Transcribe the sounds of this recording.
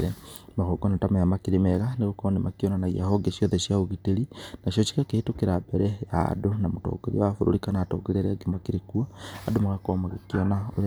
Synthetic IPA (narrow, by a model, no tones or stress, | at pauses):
ɾɛmaɣoɡɔnatamajamakeɾemɛɣaneɣokɔnemakiɔnanaiahɔɡeʃiɔðɛʃjaoɣiteɾinaʃjɔt͡ʃi̥kakehetokeɾabɛɾɛja̰donamotɔ̰ɡ̥eɾḭwafoɾo̰ɾikanaːtɔ̰ɡeɾeɾɛɡemakeɾekuaadomaɣakɔmaɣekiɔnao